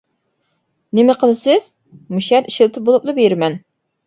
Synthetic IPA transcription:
nɪmɪqʰəlˠɨsɪz̥ | muʃɛɾiʃɪlˠt̪ʰɪbolˠuplˠɨbeɾɪmɛn

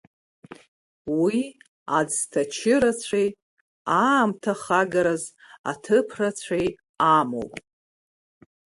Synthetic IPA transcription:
wi | ad͡ztʰat͡ʃʰɪɾat͡sʷʰej | amtʰaχaɡaɾaz | a̰tʰɨpʰrat͡ɕʷʰej | amo̰wpʼ

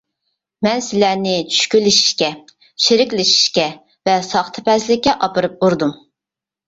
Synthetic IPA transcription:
mɛnsɪlæɾnɪt͡ʃʰy̥ʃkʲylːɪʃi̥ʃkʲɛ | ʃiɾɪkʲlɪʃi̥ʃkʲɛ | vɛsɑχt̪ʰɨ̥pɛslɪkʲːɛʔɑpɨɾɨp̚uɾd̪um

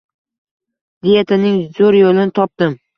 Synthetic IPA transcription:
d̪ɪjet̪ʰɪnɪŋzoɾjolɪnɪt̪ʰɒp̚d̪ɪm

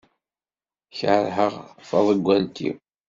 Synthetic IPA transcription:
çʕəɾɦəʁfɑðˤəɡʷːænt̪ʰːḭ

